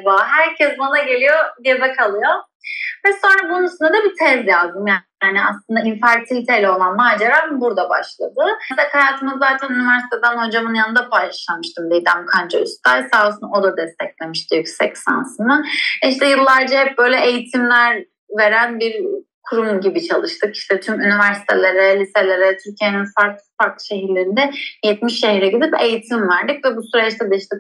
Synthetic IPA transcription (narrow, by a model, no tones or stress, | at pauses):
vaɦæɾcʰɛzbonaɟe̞lʲijo̞d̪iebɛkʰalˠɯjo̞ | vɛso̞nɾabununsynɛd̪abit̪ʰɛzjazd̪ɯmja | aːniaslˠɯnd̪ainfæɾt̪ʰilʲit̪ʰe̞jlʲɛo̞lˠanmaːd͡ʒeɾabuɾd̪aba̰ʃlˠa̰d̪ɯakʰajaːt̪ʰɯmɯzaːt̪ʰænynivæɾsi̥t̪ʰed̪ænho̞d͡ʒamɯnjanɯd̪apʰajlʃlˠamɯʃt̪ʰɯmd̪ejid̪æmkʰand͡ʒayst̪ajsaːsɯno̞d̪ad̪ɛst̪ʰɛclʲe̞miʃt̪ɯjycsɛcsa̰nsɯnɯiʃt̪ʰɛjɯlˠːaɾd͡ʒaɦɛp̚bø̞jlʲɛʔejit̪ʰimlʲæɾ | ve̞ɾænbiɾkʰuɾumɟibit͡ʃʰalˠɯʃt̪ʰɯkiʃt̪ʰɛt̪ʰymynivæɾsi̥t̪ʰelʲe̞ɾɛlʲise̞lʲe̞ɾɛɛt̪ʰyɾcʰijeninfaɾk̚faɾk̪ˠʃe̞ɦiɾlʲeɾind̪ɛjɛt̪miʃːe̞ɦiɾɛɟid̪ipe̞jit̪ʰimvæɾd̪icvɛbusyɾɛt͡ʃt̪ʰɛd̪ɛiʃt̪ʰɛ